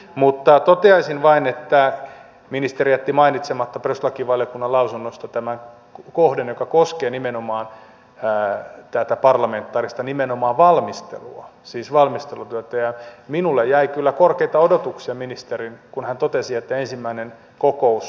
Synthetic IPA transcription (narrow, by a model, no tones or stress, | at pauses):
mut̪ːɑt̪ot̪eɑisinʋɑinet̪ːæ | minist̪eriæt̪ːimɑinit̪semɑt̪ːɑpreslɑkiʋʋɑljokunːɑlɑusunːost̪ɑt̪æmæŋ | kohdenjokɑkoskeːnimenomɑːnː | t̪æt̪æpɑrlɑment̪ːɑːrist̪ɑnimenomɑːʋʋɑlmist̪ḛluɑsiːsʋɑlmist̪elut̪yøt̪æjɑminulːejjæikylːækorkeit̪ɑodot̪uksiɑminist̪erinkunhænt̪ot̪esiet̪ːæensimːæinen | kokous